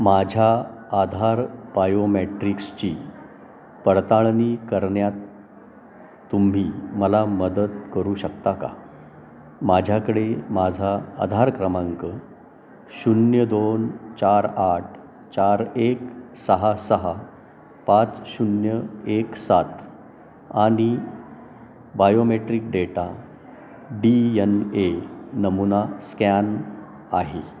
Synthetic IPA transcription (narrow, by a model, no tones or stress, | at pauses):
mad͡ʑʱaad̪ʱaɾbajomeʈɾikst͡ɕiː | pəɽt̪aɭniːkəɾɳjat̪ | um̤iːməlaməd̪ət̪kəɾuːɕəkt̪aka̰ | mad͡ʑʱjakəɽemad͡zʱaa̰d̪ʱaɾkɾəmaŋkə | ɕunjəd̪ont͡ɕaɾaʈʰ | t͡ɕaɾek | səɦasəɦa | pat͡sɕunjəeksat̪ | aɽ̃i | bajomeʈɾiːk̚ɖeʈa | ɖiənenəmunaskæn | aɦe